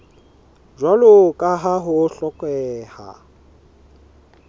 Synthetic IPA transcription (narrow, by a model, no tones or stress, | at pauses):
ʒwalʊkʼaɦaɦʊɬɔkʼwɛːha̰